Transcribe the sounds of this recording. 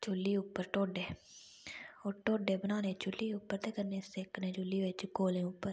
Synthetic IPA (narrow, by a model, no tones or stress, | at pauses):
t͡ʃʊlːiʊːpːəɾʈoːɖeː | oːɾʈoːɖebənaːnẽt͡ʃʊlːiuːpːəɾt̪ekəɾneseːknẽd͡ʒʊlːiʋet͡ʃkoːlẽʊpːəɾ